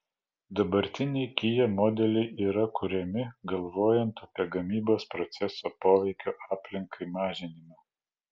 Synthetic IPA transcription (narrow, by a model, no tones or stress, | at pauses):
d̪ɐbɐɾʲt̪ʲɪnʲɛɪkʲɪjɛmɔd̪ʲɛlʲɛɪʔiːɾɐkʊɾʲɛmʲɪɡɐlˠʋoːjɛnt̪ɐpʲiɛɡɐmʲiːboːspɾɔt̪sʲɛsoːpoːʋʲɛɪkʲoːʔɑːpʲlʲɪŋkʰɐɪmɑːʒʲɪnʲɪmo